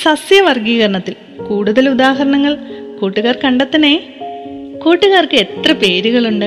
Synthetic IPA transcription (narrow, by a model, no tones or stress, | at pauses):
sɐsjɐʋɐrɡiːɣɐrɐɳɐt̪ːil | kuːɽuðɐlud̪aːɦɐɾɐɳɐŋːɐɭkuːʈːuɣaːrkɐɳɖɐt̪ːɐneː | kuːʈːuɣaːrkɨet̪rɐpe̞ːɾuɣɐɭuɳɖɨ